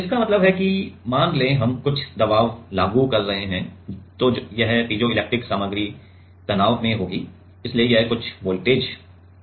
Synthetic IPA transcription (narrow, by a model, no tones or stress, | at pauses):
ɪskamɐt̪ləbɦɛkimãːnlẽɦɐmkʊt͡ʃʰd̪ɐbaːʋlaːɡukɐɾːɐɦeɦɛ̃t̪ojɐɦtiːd͡ʒoɪleːk̚ʈɾɪksaːməɡɾi | t̪ɐnaːʋmẽɦoːɡiː | ɪsliejɐɦkʊt͡ʃʰʋoːlʈeːd͡ʒ